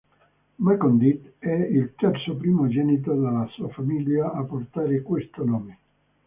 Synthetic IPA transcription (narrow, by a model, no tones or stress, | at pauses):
mɛkɔnd̪it̪ɛilt̪ɛrt̪sopɾiːmod͡ʒɛnit̪̬od̪elːasuːafamiljaːpːort̪aːɾekwest̪onoːme